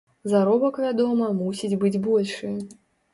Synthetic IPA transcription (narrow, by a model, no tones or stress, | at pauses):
zaɾɔbɐkvʲad̪ɔmɐmusʲid͡zʲbɨd͡zʲbɔlʲʂɨj